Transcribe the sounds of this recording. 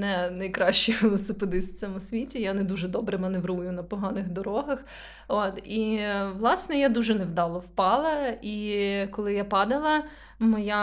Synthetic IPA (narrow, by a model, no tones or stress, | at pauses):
nɛnɐjkɾɑʃt͡ʃɪjʋelˠɔsɪped̪ɪsʲt̪ʲt͡s̪ʲɛmʊsʲʋʲitʲijanɛd̪uʒɛd̪ɔbɾɪmɛnɛʋrujʊnɐpɔɦɑnɪxd̪ɔɾɔɦɐx | ot̪iʋlˠɑsnɔjad̪uʒɛnɛwd̪ɑlˠɔwpɑlˠɐikɔlˠɪjapɑd̪ɐlˠɐ | mɔja